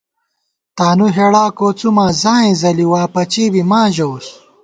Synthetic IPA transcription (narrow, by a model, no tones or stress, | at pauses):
t̪aːnuɦeɽaːkot͡sumaːzãːẽzɐliwaːpɐt͡ɕiːbimãːʑɐus